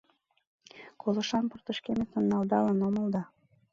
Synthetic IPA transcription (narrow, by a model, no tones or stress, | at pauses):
kʰolɤ̆ʃɑnpərt̪ə̆ʃkemet̪ə̆nːɑld̪ɑlɑnoməld̪ɑ